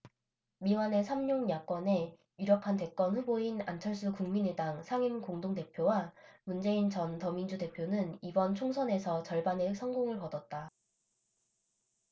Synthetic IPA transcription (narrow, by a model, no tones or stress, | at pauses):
miwane̞sʰamɲoŋjak͈wʌne̞ | iɾjʌkʰante̞k͈ʌnɸuboinant͡ɕʰʌɭs͈ukuŋminedaŋsʰaŋimkoŋdoŋte̞pʰjowamund͡ʑe̞int͡ɕʌntʌmind͡ʑute̞pʰjonɯnibʌnt͡ɕʰoŋsʰʌne̞sʰʌt͡ɕʌɭbanesʰʌŋɡoŋɯɭpʌdʌt̚t͈a